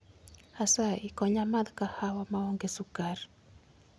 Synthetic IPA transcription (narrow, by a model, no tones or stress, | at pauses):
hasaikɔɲamad̪kahawamaoŋɡesukar